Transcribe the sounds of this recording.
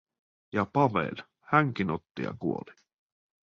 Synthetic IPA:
jɑpɑʋḛl | hæŋk̟inot̪ːijɑ̰kuoli

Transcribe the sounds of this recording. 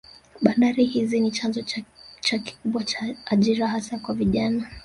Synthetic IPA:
ɓandaɾihizinit͡ʃanzɔt͡ʃaki̥kuɓwat͡ʃaːʄiɾahasakwaviʄana

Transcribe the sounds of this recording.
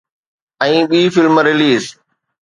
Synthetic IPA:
ɛ̃ːɓiːfɪlmɾɪliːz

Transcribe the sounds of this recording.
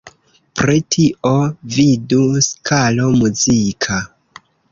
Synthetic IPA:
pɾitʰiʔoviduskʰalo̞muzikʰa

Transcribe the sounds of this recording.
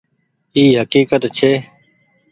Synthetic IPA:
iːɦəkiːkət̪t͡ʃʰeː

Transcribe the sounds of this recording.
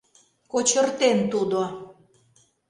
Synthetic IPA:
kot͡ɕə̆rt̪ent̪ud̪o

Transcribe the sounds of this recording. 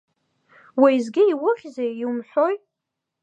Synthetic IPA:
wejzɡʲɪiwʊχʲzejiwumħʷoj

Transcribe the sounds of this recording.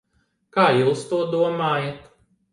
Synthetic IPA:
kaːjuwst̪uɔd̪uɔmaːjat̪

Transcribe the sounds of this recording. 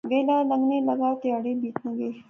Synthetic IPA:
ɡelalaŋɡnelaɡawt̪ejɑɽebit̪nəɡe

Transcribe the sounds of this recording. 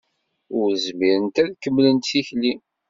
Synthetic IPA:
ʊɾzmiɾənt̪æðkəmːlənt̪θiçli

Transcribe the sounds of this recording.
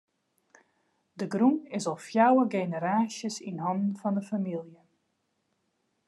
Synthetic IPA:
dəɡrumɪsɔlˠfjawəɡeːnəɾaːsjəsinɦɔndən̩fɑndəfamilˠjə

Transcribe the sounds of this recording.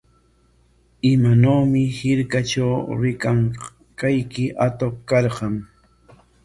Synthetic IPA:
ɪmanoːmɪhɪɾkaʈ͡ʂawɾɪkaŋ | kajkɪʔat̪oqkɑɾɢɑŋ

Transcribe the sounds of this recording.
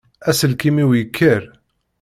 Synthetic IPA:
æsəlkimiwjəkʰːəɾ

